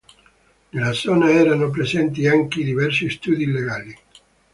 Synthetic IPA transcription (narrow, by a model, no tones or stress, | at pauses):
nelːad̪zɔːnaɛːɾanop̬ɾezɛnt̪iaŋkid̪ivɛrsist̪uːd̪ileɡaːli